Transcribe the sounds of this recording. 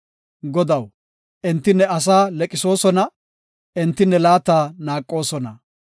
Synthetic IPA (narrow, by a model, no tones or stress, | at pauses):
ɡɔd̪ɐw | ʔɛnt̪ːɪnːɛɐs̬aːlɛkʼɪso̞ːsɔnɐ | ɛnt̪ːɪnːɛlaːt̪ːaːnaːkʼːo̞ːsɔnɐ̰